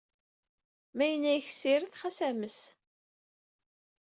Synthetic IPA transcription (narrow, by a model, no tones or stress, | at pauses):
mæjənːæjəçsiɾəθχæsæməs